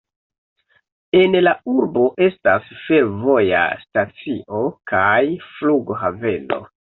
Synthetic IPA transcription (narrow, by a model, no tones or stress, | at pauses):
e̞nlauɾbo̞ʔe̞stasfe̞ɾvo̞ja̰stat͡siʔo̞kajfluɡɦave̞no̞̰